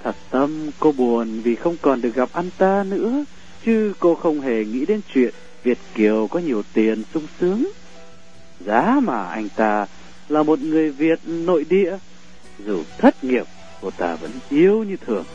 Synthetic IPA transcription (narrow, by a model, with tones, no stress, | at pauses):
t̪ʰə˨˩t̚t̪ə˧mko˧ɓu˨˩ənvi˨˩xə˧wŋ͡mkɔ˨˩nɗɨ˨˩ək̚ɣa˨˩p̚ʔa˧nt̪aː˧nɨ̰˧˥ə | t͡ɕɨ˨˦ko˧xə˧wŋ͡mɦe˨˩ŋḭ˧˥ɗe˨˦nt͡ɕwḭ˧˨ən | vi˨˩ət̚ki˨˩əwkɔ˨˦ɲi˨˩əwt̪i˨˩ənsʊ˧ŋ͡msɨ˨˦əŋ | zaː˨˦maː˨˩ʔa˧jŋ̟t̪aː˧ | laː˨˩mo˨˩t̚ŋɨ˨˩əjvi˨˩ət̚no̰˧˨jɗḭ˧˨ə | zu˨˩t̪ʰə˦˥t̚ŋi˨˩əp̚ | ko˧˩t̪aː˧və̰˧˥nʔi˧əwɲɨ˧t̪ʰɨ˨˩əŋ